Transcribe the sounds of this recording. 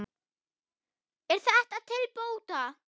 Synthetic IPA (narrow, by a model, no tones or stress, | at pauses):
ɛɾ̥θaɛht̪aðt̪ʰɪlpoːwt̪a